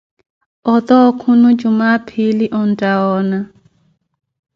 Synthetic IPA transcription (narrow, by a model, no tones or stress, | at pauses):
ɔd̪ɔkʰunud͡ʒumapʰiliʔɔndʼaɔːna